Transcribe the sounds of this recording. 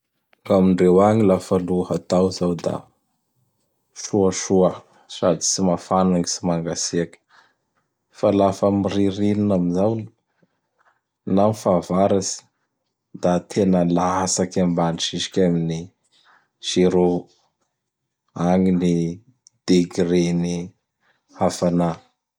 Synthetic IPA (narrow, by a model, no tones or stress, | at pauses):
ŋamiɳɖ͡ʐewaŋilafaluhat̪awzawd̪a̰ | ʃuəʃuə | sad̪i̥simafanaŋisimaŋɡasiakʲə̥ | falafəmiriɾininaminzawn | namifavaɾasi̥ | d̪at̪ʰenəlaɦasakambaniʈ͡ʂiʃi̥kʲamini | ʃiɾo | aŋini | d̪̥eɡɾeni | afana